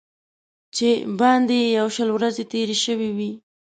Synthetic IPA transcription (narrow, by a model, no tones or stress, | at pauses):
t͡ʃebɑnd̪ejawʃəlwɾazet̪eɾeʃəwiwi